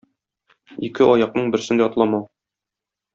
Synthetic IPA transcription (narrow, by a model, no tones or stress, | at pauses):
ikɘɒjɑq̚nɤɴbɘ̆ɾsɘ̆nd̪æɒt̪lˠɑmɑ